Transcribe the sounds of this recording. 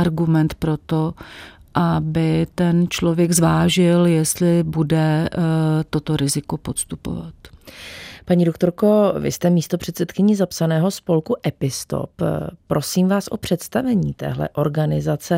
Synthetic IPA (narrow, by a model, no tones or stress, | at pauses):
aɾɡumɛnt̪pɾo̞t̪o | ʔabɪt̪ɛnt͡ʃlovjɛɡzvaːʒɪljɛst̪lɪbudɛ | t̪o̞t̪oɾɪzɪko̞pot̪st̪upo̰va̰t̪ | paɲiːdo̞kt̪o̞ɾko̞vɪ̰st̪ɛmiːst̪o̞pr̝̥ɛt̪sɛt̪kɪɲɪzapsanɛːɦo̞spo̞lkuʔɛpɪst̪o̰ppːɾo̞siːmvaːsʔo̞pr̝̥ɛt̪st̪avɛɲiːt̪ɛ̰ːɦlɛ̰ʔo̞ɾɡanɪzat͡sɛ